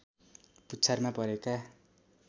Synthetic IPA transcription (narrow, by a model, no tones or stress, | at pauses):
put͡sʰarmapʌɾeka